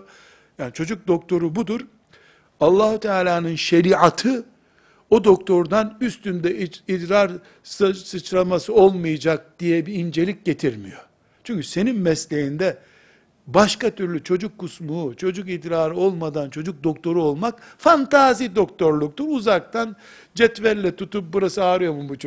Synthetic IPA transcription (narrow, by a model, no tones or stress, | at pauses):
jaːnit͡ʃʰo̞d͡ʒuk̚d̪o̞k̚t̪ʰo̞ɾubud̪uɾ | alˠːaːhut̪ʰɛaːlʲaːnɯnʃeɾiːat̪ʰɯ | od̪o̞kt̪ʰo̞ɾd̪anyst̪ynd̪ɛid̪ɾaɾ | ssɯt͡ʃɾamasɯo̞lˠmɯjad͡ʒak̚d̪̥ijɛbiːnd͡ʒe̞lʲic̚ɟe̞t̪ʰiɾmḭjo̞̰ | t͡ʃʰyɲcʰyse̞ninmɛslʲejind̪ɛ | baʃkat̪ʰyɾlʲyt͡ʃʰo̞d͡ʒukʰːusmuːt͡ʃʰo̞d͡ʒukid̪ɾaːɾɯo̞lˠmad̪ant͡ʃʰo̞d͡ʒuk̚d̪o̞kt̪ʰo̞ɾuo̞lˠmak̚fant̪ʰaːzid̪o̞k̚t̪o̞ɾlˠuk̚t̪uɾuzak̚t̪ʰan | d͡ʒɛt̪væɾlʲɛt̪ʰut̪up̚buɾasɯaːɾɯjo̞mumbut͡ʃ